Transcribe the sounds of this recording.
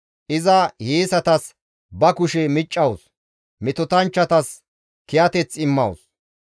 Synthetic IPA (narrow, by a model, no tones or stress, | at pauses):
ʔɪzɐheːsɐt̪ɐs | bɐkʊʃɛmɪt͡ʃʼːɐws | mɪt̪ɔt̪ɐnt͡ʃːɐt̪ɐs | kɪjɐt̪ɛt͡sːɪmːɐws